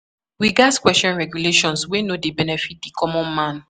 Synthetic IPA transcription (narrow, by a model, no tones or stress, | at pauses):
wiɡatkwɛstɔ̃nɹɛɡjuleʃɔ̃nswenodebɛnɛfit̚dekʰɔmɔ̃nmãn